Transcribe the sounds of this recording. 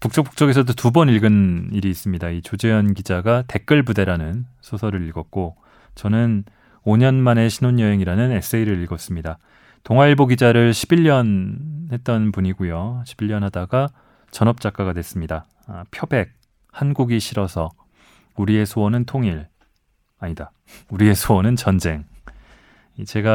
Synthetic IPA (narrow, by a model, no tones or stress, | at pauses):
puk̚t͡ɕ͈ok̚p͈ʰu̥k̚t͡ɕ͈ʌɡe̞s̬ʰʌdotubʌniɭɡɯniɾiːs͈ɯmɲidait͡ɕod͡ʑe̞jʌnɡid͡ʑaɡate̞k͈ɯɭbude̞ɾanɯnsʰosʰʌɾɯɾiɭɡʌt̚k͈o | t͡ɕʌnɯn | oɲʌnmane̞ɕʰinoɲjʌɦe̞ŋiɾanɯne̞s͈ʰɯeiɾɯɾiɭɡʌs͈ɯmɲida | toŋwaiɭboɡid͡ʑaɾɯɭɕʰibiʎːʌnhe̞t̚t͈ʌnpuɲiɡujoɕʰib̥iʎjʌnɦadaɡa | t͡ɕʌnʌp̚t͡ɕ͈ak͈aɡadwe̞s͈ɯmɲida | pʰjʌbe̞k̚ | hanɡuɡiɕʰiɾʌsʰʌ | uɾie̞sʰowʌnɯntʰoŋiɭ | aɲida | uɾie̞sʰowʌnɯnt͡ɕʌnd͡ʑe̞ŋ | it͡ɕe̞ɡa